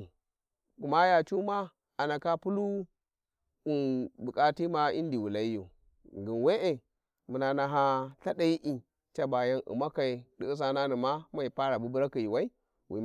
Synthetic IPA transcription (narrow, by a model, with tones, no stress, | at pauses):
ku˨ma˦ja˨t͡ʃu˦ma˦ | a˨na˨ka˦pu˦lu˦ | u˦nbu˨kʼa˦ti˦ma˦i˦n˦di˨wu˨la˦jṵ˨ | ŋɡi˨nwe˦ʔe˨ | mu˨na˨na˨ɦa˦ɬa˦da˦ji˦ʔi˨ | t͡ʃa˦ba˨ja˦nʔṵ˨ma˦ka˨i˨di˦i˦s̬a˦na˦ni˨ma˦ma˨i˨pa˦ɾa˨bu˦bu˦ɾa˦ki˨ji˨wa˦i˦ | wḭ˨